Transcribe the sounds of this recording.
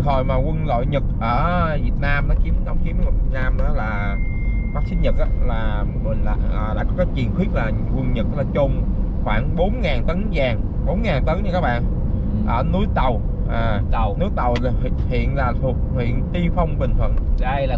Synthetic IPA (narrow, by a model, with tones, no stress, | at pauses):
ho˨˩jmaː˨˩kwə˧nlo̰˧˨jɲɨ˨˩t̚ʔəː˧˩vi˨˩ət̚naː˧mɗɔ˨˦ki˨˦ɗa˨˦wŋ͡mki˨˦əma˨˩vi˨˩ət̚naː˧mʔaː˨˦laː˨˩ | faː˦˥sï˦˥ɲə˨˩k̚ʔaː˨˧˦laː˨˩ | mï˨˩ŋla̰ː˧˩˨ʔəː˨˩ɗa̰ː˧˥kɔ˨˦˥kaː˨˦jt͡ɕwḭ˨˩ənxwi˦˥ək̚laː˨˩ | kwə˧nɲə˨˩k̚ʔlaː˨˩t͡ɕʊ˧ŋ͡m | xwaː˧˩ŋɓo˨˦nŋaː˨˩nt̪ə˨˦nzaː˨˩ŋɓo˨˦nŋaː˨˩nt̪ə˨˦jɲə˧˩kaː˦˥k̚ɓa̰ː˧˨n | ʔəː˧˩nu˨˦jt̪ə˨˩w | ʔaː˨˩˨nu˨˦jt̪ə˨˩whhḭ˧˨ənlaː˨˩t̪ʰu˨˩ət̚hwḭ˧˨ənt̪i˧fə˧wŋ͡mɓï˨˩ŋ̟t̪ʰwə˨˩n˧˨˩